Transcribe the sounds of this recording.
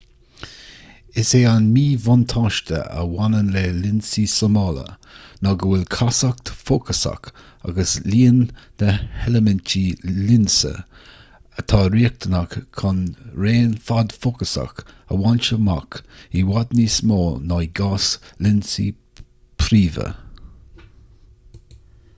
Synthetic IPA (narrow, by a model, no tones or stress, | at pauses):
ɪseːanmiːvʊnt̪ʰaʃtə̰ə̰wanənlelɪnsisəmɑlə̰ | nɔɡəwɪlkʰasak̚t̪fokʰəsa̰k | a̰ɡəsliːənnəhɛləmɛntʰilɪnsə̰ | ət̪ʰɑːɾiək̚t̪ʰənakkʰanɾeːnfad̪fokəsa̰k | ə̰want͡ʃəma̰kiwad̪nismoːnɔjɡaslɪnsḭ | pʰɾiːvə̰